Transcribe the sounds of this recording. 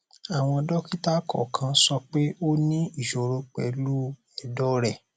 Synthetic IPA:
a˨w̃ɔ̃˧dɔ˦ki˦ta˦kɔ˦˨kʰã˧sɔ˧k͡pe˦o˦nĩ˦i˦˨ʃo˨ɾo˧k͡pɛ˨˦lu˦ | ɛ˨dɔ˦ɾɛ˨

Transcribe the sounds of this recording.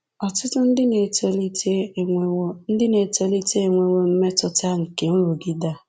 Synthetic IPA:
ɔ˨tʊ˦tʊ˦n̩˦dɪ˦ne˨te˨li˦te˦˨˦n̩˦dɪ˦ne˨te˨li˦te˦e˨ŋʷe˨wo˦m̩˦me˦tʊ˦ta˦ŋ̩˨ke˨n̩˦ɾu˨ɡɪ˦da˦˨

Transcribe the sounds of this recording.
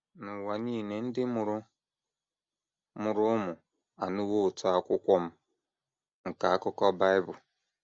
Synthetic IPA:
nʊ˨wa˨ɲiː˦˨ne˨n̩˦dɪ˦mʊ˨ɾʊ˦ | mʊ˨ɾʊ˦ʊ˦mʊ˨ | a̰˨nu˦wo˦ʊ˨tʊ˦a˦kʷʊ˦kʷɔ˦m̩˦ | ŋ̩˨ka˨a˦kʊ˦kɔ˦ba˦ɪ˦bʊ˨

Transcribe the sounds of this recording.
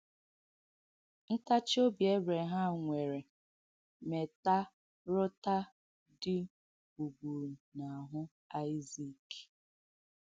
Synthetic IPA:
n̩˦ta˦t͡ʃo˦bje˦bɾe˨ɦa˦ŋʷe˨ɾe˨ | me˨ta˦ | ɾʊ˦ta˦ | dɪ˦ | bu˨ɡ͡bu˨ɾna˨ɦʊ˦ | a˦ɪ˦zi˦˨k

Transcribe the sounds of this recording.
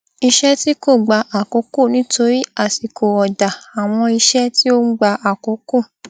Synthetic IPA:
i˧ʃɛ˦ti˦ko˦˨ɡ͡ba˧ʔa˨ko˨˦ko˦˨nĩ˨˦to˦ɾi˦a˦˨ti˨kʰo˨ɔ˨da˨a˨w̃ɔ̃˧i˧ʃɛ˦ti˦o˦ɡ͡ba˧a˨ko˨˦ko˦˨

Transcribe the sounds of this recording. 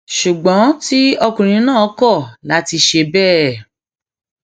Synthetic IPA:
ʃu˨ɡ͡bɔ̃˨˦ti˦ɔ˧kũ˨ɾ̃ĩ˨˦nãː˦˨˦kɔ˦˨la˨˦ti˧ʃe˧bɛː˦˨

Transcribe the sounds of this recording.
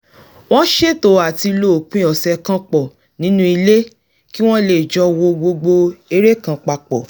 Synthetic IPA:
w̃ɔ̃˦ʃe˦˨to˨a˨ti˧lo˦˨k͡pĩ˦ɔ˨sɛ˧kã˧k͡pɔ˨ | nĩ˨˦nũ˦i˧le˦ | ki˦w̃ɔ̃˦le˨d͡ʒɔ˧˦wo˧ɡ͡bo˧ɡ͡bo˧e˧˦ɾe˦kã˧k͡pa˧k͡pɔ˨

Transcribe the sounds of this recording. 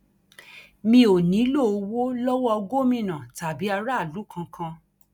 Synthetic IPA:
mĩ˧o˨nĩ˨˦lo˦˨˧wo˦lɔ˦wɔ˦ɔ˧ɡo˦mĩ˧nã˨ta˨bi˨˦a˧ɾa˦˨lu˨˦kʰã˧kʰã˧

